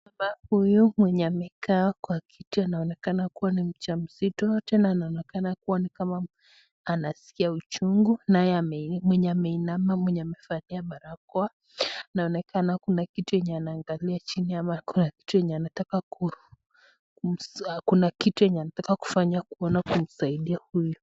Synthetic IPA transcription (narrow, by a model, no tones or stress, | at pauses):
amahujumwɛɲɛamɛkaːkwakʰitianaɔnɛkanakuwanim̩t͡ʃam̩sitɔtɛnaːnaɔnɛkanakuwanikama | anasi̥kiaut͡ʃuŋɡunajɛamɛmwɛɲɛamɛinamamwɛɲɛamɛfaniamaɾakɔa | anaɔnɛkʰanakunakitujɛɲɛanaːŋɡaliat͡ʃiniamakunaki̥tujɛɲɛanatakaku | skunakituɛɲɛanatakaku̥faɲakuɔnakum̩saiɗiahujɔ